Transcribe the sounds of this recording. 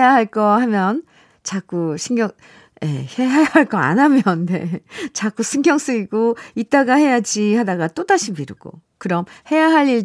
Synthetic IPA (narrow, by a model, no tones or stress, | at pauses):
ejaɦaɭk͈ʌhamjʌn | t͡ɕak͈uɕʰiŋɡjʌŋ | jḛheajaaɭk͈ʌa̰namjʌnne̞̰t͡ɕak͈usʰɯŋɡjʌŋs͈ɯiɡoit͈̚aɡahe̞jad͡ʑihadaɡat͈odaɕʰimiɾɯ̰ɡ̥o̰ | kɯɾʌmhe̞jaɦaʎiɭ